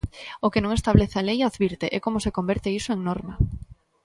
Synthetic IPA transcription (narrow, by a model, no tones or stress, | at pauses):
okenõŋest̪aβleθalejaðβiɾt̪eʔɛkomosekombeɾt̪eisoeŋnɔɾma